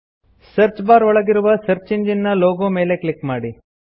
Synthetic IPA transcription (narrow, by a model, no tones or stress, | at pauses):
sɐɾt͡ʃbaːɾɔɭɐɡiɾuʋɐsɐɾt͡ʃiɲd͡ʒinːɐloːɡoːme̞ːle̞kɭikmaːɽi